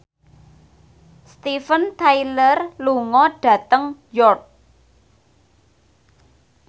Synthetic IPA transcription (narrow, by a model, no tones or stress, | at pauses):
st̪ifənt̪ajlərluŋɔɖ̥ä̤t̪əŋjɔrk̚